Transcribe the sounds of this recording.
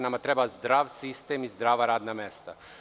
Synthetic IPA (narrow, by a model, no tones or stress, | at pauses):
namat̪ɾebazd̪ɾaːʋsist̪emizd̪ɾaːʋaɾaːd̪namest̪a̰